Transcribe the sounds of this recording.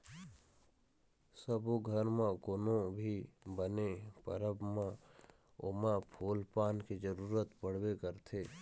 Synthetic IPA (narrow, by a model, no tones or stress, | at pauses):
səboɡʱəɾmãkonobʱibənepə̰ɾəbmã | ʊ̰mãpʰoːlpaːnkid͡ʒəɾuːɾət̪pəɽ̤wekəɾt̪ʰeː